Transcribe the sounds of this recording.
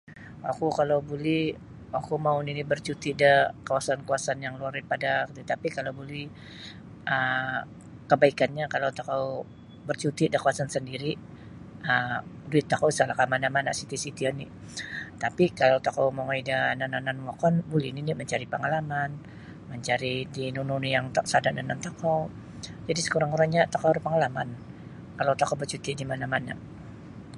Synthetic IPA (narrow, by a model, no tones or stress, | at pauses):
wakukalawbuli | wakumauninibərt͡ʃut̪idakawasankuasanjaŋluardipadakət̪it̪apikalawbulih | ʔə | kəbaikanɲakalawt̪akaw | bərt͡ʃut̪idakuasansəndiɾi | əmduɪt̪ːakawsalakamanamanasit̪isit̪iani | t̪apikalawt̪akawmoŋaidananananwɔkɔnbulɛniniməɲt͡ʃaɾipəŋalaman | məɲt͡ʃaɾidinununjaŋt̪asadaʔdanant̪akaw | d͡ʒadisə̥kuɾaŋuɾaŋɲat̪akawɾpəŋalaman | kalawt̪akawbərt͡ʃut̪idimanamana̰